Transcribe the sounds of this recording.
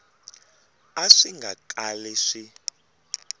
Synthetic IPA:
aʂiŋɡakʼalɛʂi

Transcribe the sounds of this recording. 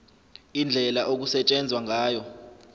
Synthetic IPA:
ind͡ɮʱɛlaʔok̬usɛt͡ʃʼɛnd͡zʱwaŋʱaːjɔ

